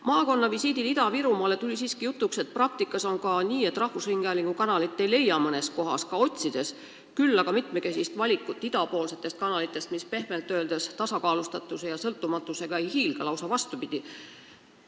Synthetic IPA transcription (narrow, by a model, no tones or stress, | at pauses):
mɑːko̞nːɑvisiːd̪ilid̪̥ɑviɾumɑːle̞t̪ulʲisiːskijut̪ːˑukset̪̚prɑk̚t̪ikːˑɑso̞nkɑniːe̞t̪ːˑrɑhvusriŋɡ̥eɑliŋɡ̥ukɑnɑlit̪ːˑe̞jle̞jːɑmɤne̞s̚ko̞ɦɑ̰skɑo̞t̪ʲsid̪̥e̞s | kylːɑɡ̥ɑmit̪meke̞sist̪vɑlʲikːˑut̪ːˑid̪̥ɑpo̞ːlse̞t̪ˑːe̞st̪kɑnɑlit̪ːˑe̞st̪mispe̞hme̞lt̪ːø̞ːld̪̥est̪ɑsɑkɑːlust̪ɑt̪ːˑuse̞jɑsɤlt̪ːˑumɑt̪ːˑuse̞ɡ̥ɑejhiːlɡ̥ɑlɑwsɑvɑst̪upid̪̥i